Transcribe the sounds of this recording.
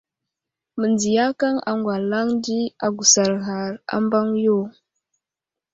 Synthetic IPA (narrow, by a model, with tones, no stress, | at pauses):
mə˨nd͡zi˨ja˦ka˦ŋa̰˨ŋɡwa˨la˦ŋdi˦a˨ɡu˨sa˨ɾɣa˨ɾa̰˦mba˦ŋjo˦˨